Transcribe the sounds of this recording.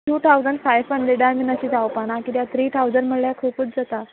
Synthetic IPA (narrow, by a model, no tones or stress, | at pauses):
ʈuːt̪ʰaud͡zəɳɖfajfəɳɖɾeɖaɾminəɕiːd͡zawpanakit̪jat̪ʰɾiːt̪ʰawd͡zəɳɖməɽljakʰupuːt͡sd͡zat̪a